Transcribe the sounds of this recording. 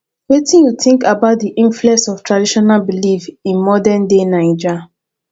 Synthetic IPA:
wetĩnjuθĩŋkabaʊt̚diʔĩɱfluɛsɔftʰɹadiʃɔnalbilifĩnmɔdɛndenaɪd͡ʒa

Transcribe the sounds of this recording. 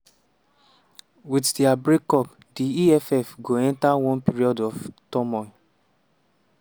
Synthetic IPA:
witdɛabɹekɔp | diiɛfɛfɡoɛ̃ntawɔ̃npiɹiɔdɔftɔmɔɪ

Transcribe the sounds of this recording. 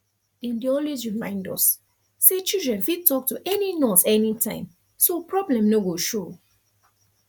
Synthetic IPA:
dɛ̃ndiɔlwes̬ɹimãɪ̃ndɔ̰s | set͡ʃildɹɛ̃nfitɔk̚tuʔɛninɔsɛnitʰã̰ɪ̃m | sopʰɹɔblɛ̃mnoɡoʃo

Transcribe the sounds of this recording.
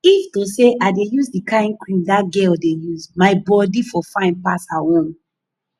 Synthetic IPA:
iftoseʔaɪdejuzdikãĩnkwĩndaɡɛldejuzmaɪbɔdifɔfãɪ̃npasahõm

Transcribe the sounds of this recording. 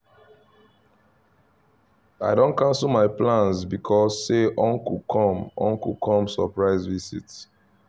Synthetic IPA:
aɪdõnkãnsl̩maɪplãnsbikʰɔsːeʔɔ̃nkukʰɔ̃mɔ̰̃ŋkukʰɔ̃msɔ̰pɹaɪzvisḭts

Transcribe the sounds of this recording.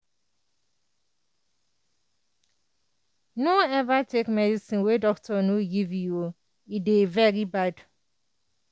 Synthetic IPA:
noɛvatʰekmɛdisĩnwedɔktʰɔnuɡivjo | idevɛɾibad

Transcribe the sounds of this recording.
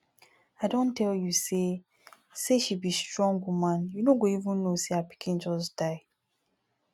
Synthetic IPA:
aɪdõntʰɛljuse | seʃibistɹɔ̃ŋɡwumãnjunoɡoivũnːoseapi̥kʰĩnd͡ʒɔsd̥aɪ

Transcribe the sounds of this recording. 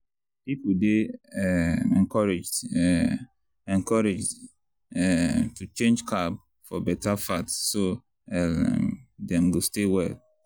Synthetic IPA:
pipudeɛɛ̃nkɔɹɛd͡ʒd | ɛ̃nkɔɹed͡ʒd | ɛtut͡ʃẽnd͡ʒkʰab | fɔbɛtafatsːo | ɛ̰ | dɛ̃mɡostewɛl

